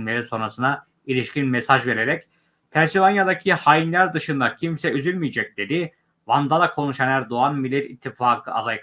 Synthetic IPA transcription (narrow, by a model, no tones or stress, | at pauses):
lʲeɾiso̞nɾasɯna | ilʲiʃcinmesaʒve̞ɾeɾɛc | pʰæɾsivanjad̪acʰihajinlʲæɾd̪ɯʃɯnd̪acʰimsɛyzylʲmijed͡ʒɛc̚d̪̥e̞d̪i | vand̪ad̪akʰo̞nuʃanæɾd̪oanmilʲːɛt̪ʰit̪ʰːifaːkʰɯad̪ˠajk